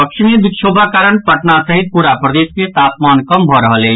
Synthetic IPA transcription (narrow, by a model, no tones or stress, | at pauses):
pəkʃimẽbɪkʃʰoːbʱakaːɾəɳpəʈnasəɦit̪̚puɾapɾəd̪eːsket̪aːpmaːnkəmbʱɔɾəɦəle